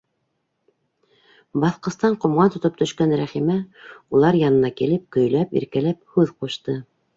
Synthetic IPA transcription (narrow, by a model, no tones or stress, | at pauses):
bɑθqɤ̆st̪ɑɴqŏmʁɑnt̪ŏt̪ɤp̚t̪ɵ̆ʃkænɾæχimæulˠɑɾjɑnɤ̆nɑkilɘp̚kɵ̆jlæpḭɾkælæp̚hʉðquʃt̪ɤ